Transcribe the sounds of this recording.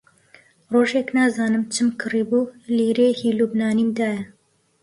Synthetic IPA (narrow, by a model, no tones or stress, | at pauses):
roːʒeknaːzaːnɨmt͡ʃʰɨmkʰɨribuliːɾehilubnaːniːmd̪aːjɐ